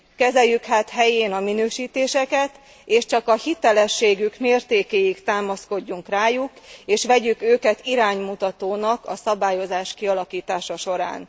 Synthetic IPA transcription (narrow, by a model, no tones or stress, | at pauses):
kɛzɛjːykhaːt̪ɦɛjeːnɒminøːʃiːt̪eːʃɛkɛt̪ | eːʃt͡ʃɒkɒhit̪ɛlɛʃːeːɡykmeːrt̪eːkeːjikt̪aːmɒsko̞ɟːuŋkraːjukeːʃʋɛɟykøːkɛt̪iɾaːɲmut̪ɒt̪oːnɒkɒsɒbaːjo̞zaːʃkiɒlɒkiːt̪aːʃɒʃo̞ɾa̰ːn